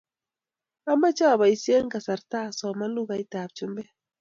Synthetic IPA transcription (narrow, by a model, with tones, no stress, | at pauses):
a˦ma˦t͡ʃa˦a˨ba˨i˨˦si˦e˦ŋ˦ka˨sa˨ɾta˦˨sɔ˨ma˦lu˦ɣa˨i˦ta˨p̚t͡ʃu˦mbɛ˦